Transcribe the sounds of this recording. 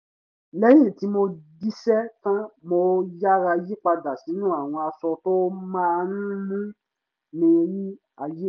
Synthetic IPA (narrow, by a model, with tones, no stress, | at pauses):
lɛ˦j̃ĩ˦˨ti˨˦mo˧di˦sɛ˦tã˦mo˧ja˦ɾa˧ji˦k͡pa˧da˨si˨˦nũ˦a˦˨w̃ɔ̃˧a˧sɔ˧to˦mã˦˧nũ˦mũ˦ | nĩ˧ji˦ | a˧je˦˨